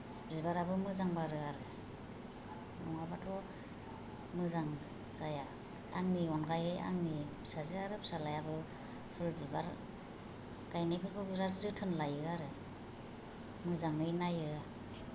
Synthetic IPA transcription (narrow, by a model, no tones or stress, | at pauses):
bzibaɾabɯmɯzaŋbaɾɯaɾɯ | nɔŋabatʰɔ | mɯzaŋ | z̥aja | aŋniɔnɡajɯja̰ŋnisazɯaɾɯpsalajabɯ | pʰɯɾbibaɾ | ɡajnajpʰɯɾbʰɯbiɾaɾzɯtʰɯnlajɯaɾɯ | mɯzaŋnɯjnajɯa